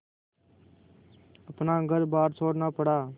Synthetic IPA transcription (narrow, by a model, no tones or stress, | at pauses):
əpnaːɡəɾbaːɾt͡ʃʰoːɽnaːpəɽaː